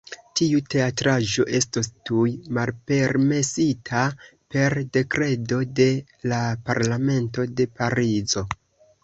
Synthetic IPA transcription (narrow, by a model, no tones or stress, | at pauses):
tiute̞atɾaʒo̞̰ʔe̞stostujmalpe̞ɾme̞sitʰape̞ɾde̞kɾe̞do̞de̞ | lapaɾlame̞nto̞de̞paɾizo̞